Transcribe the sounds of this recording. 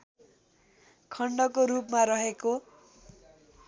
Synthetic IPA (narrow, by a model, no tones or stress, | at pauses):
kʰʌɳɖʌkoɾupmaɾʌɦeko